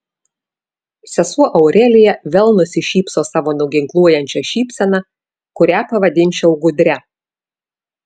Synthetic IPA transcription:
sʲɛsuɔʔɐʊɾʲɛlʲɪjɛʋʲɛlˠnʊsʲɪʃʲiːpsoːsɑːʋoːnʲʊɡʲɪŋklˠuɔjɛnʲt͡ʃʲɛʃʲiːpʲsʲɛnɑ | kʊɾʲæːpɐʋɐd̪ʲɪnʲt͡ʃʲɛʊɡʊd̪ʲɾʲɛ

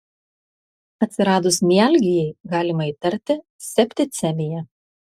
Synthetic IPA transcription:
ɐt̪ʲsʲɪɾɑːd̪ʊsmʲiæˑlʲɡʲɪjɛɪɡɑːlʲɪmɐiːˑt̪ɐɾʲt̪ʲɪ | sʲɛpʲt̪ʲɪt̪sʲɛmʲɪjɛ

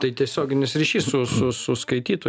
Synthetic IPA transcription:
t̪ɐɪt̪ʲiɛsʲoːɡʲɪnʲɪsɾʲiːʃʲiːssʊsʊsʊskɐɪt̪ʲiːt̪o

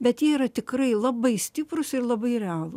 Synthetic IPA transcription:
bʲɛt̪jiɛiɾɐt̪ʲɪkɾɐɪlˠɐbɐɪsʲt̪ʲɪpɾʊsɪrlˠɐbɐɪɾʲɛɑːlˠʊs

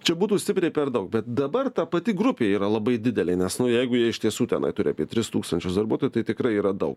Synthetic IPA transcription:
t͡ʃʲɛbuːt̪uːsʲt̪ʲɪpʲɾʲɛɪpʲɛrd̪ɐʊk̚bʲɛt̪̚d̪ɐbɐrt̪ɑpɐt̪ʲɪɡɾʊpʲeːjiːɾɐlˠɐbɐɪd̪ʲɪd̪ʲɛlʲɛɪnʲɛsnʊjɛɪɡʊjiɛɪʃt̪ʲiɛsuːt̪ʲɛnɐ̰ɪt̪ʊɾʲɪɐ̰ːpʲiɛt̪ʲɾʲɪst̪uːkst̪ɐnʲt͡ʃʲʊsd̪ɐɾbuɔt̪oːjuːt̪ɐɪt̪ʲɪkɾɐɪiːɾɐd̪ɐʊk

